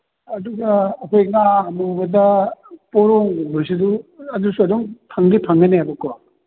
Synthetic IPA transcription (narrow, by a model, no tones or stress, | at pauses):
ɐduɡɐːkʰojŋaɐmubɐdɐpɔɾoŋbosiduɐdusuɐdoŋpʰaŋdipʰaŋɡɐneabɐkɔ